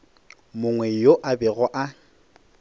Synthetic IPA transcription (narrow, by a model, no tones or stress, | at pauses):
mʊŋwɛjoʔabɛɣɔʔa